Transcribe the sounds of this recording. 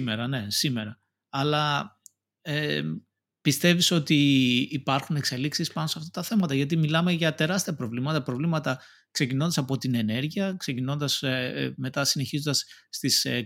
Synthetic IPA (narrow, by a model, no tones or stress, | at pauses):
meɾɐne̞sime̞ɾɐː | lɐ | e | pist̪e̞viso̞t̪iːpɐɾxune̞kse̞liksispɐnoseɐft̪ɐt̪ɐθe̞mɐt̪ɐʝɐt̪̬imilɐmeʝɐt̪e̞ɾɐst̪iɐpɾo̞vlimɐt̪ɐpɾo̞vlimɐt̪ɐ | kse̞cino̞nd̪ɐsɐpo̞t̪ine̞ne̞ɾʝiɐkse̞cino̞nd̪ɐsme̞t̪ɐsine̞çizo̞nd̪ɐsːt̪is